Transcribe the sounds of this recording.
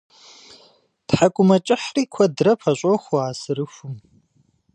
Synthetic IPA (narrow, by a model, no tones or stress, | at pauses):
d̥ħakʷʼʊmɐt͡ʃʼɪħriːkʷʰɐdrɐpʰɐɕʷʼoxʷoaːsɨɾɨfʷum